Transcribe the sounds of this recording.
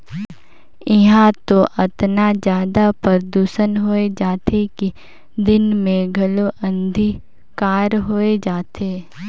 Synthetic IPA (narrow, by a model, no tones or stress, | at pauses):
ɪɦãt̪oʔɐt̪nad͡ʒjaːd̪apəɾd̪uːʃənɦoːed͡ʒaːt̪eki | d̪ɪnmẽɡʱɐloʔə̃nd̪ʱi | kaːɾɦoːed͡ʒaːt̪ʰeː